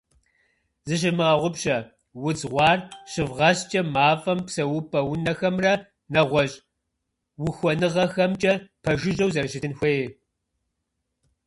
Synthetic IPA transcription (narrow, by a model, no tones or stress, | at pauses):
zɨɕ̬ɪrmɨʁɐʁʷʊpɕʼɐ | wʊd͡zʁʷɑːrɕɪvʁɐst͡ʃʼɐmaːfʼɐmpsɐwʊpʼɐwʊnɐxɐmrɐ | nɐʁʷɔɕʼ | wʊxʷɔnɨʁɐxɐmt͡ʃʼɐpʰɐʒɪʑɐwzɐrʃɪtɨnxʷeje